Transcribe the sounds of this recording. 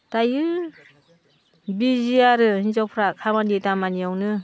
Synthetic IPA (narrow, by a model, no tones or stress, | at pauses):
tajɯ | biziaɾɯinzɔwpʰɾakʰamanitamaniawnɯ